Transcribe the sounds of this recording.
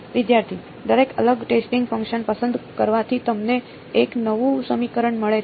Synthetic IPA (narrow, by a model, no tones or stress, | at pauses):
ʋɪd̪jaɾt̪ʰi | d̪əɾekə̰ləɡʈesʈĩŋɡfə̃ŋkʃənpəsənd̪kəɾʋat̪ʰit̪əmneː | knəʋũsəmikəɾəɳməɭe